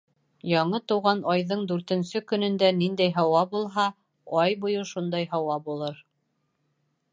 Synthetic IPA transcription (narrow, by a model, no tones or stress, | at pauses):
jɑɴɤt̪ɤ̆wʁɑnɑjðɤɴd̪ʉɾt̪ɘ̆nsɵkɵ̆nɵ̆nd̪ænind̪æjɦɑwɑbulˠɦɑ | ɑjbujɤʃund̪ɑjɦɑwɑbulˠɤɾ